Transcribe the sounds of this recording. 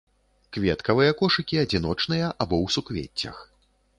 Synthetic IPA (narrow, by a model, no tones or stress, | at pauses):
kvʲɛt̪kɐvɨjɐkɔʂɨkʲiɐd͡zʲin̪ɔt͡ʂn̪ɨjɐʔabɔwsukvʲḛt͡sʲːɐ̰x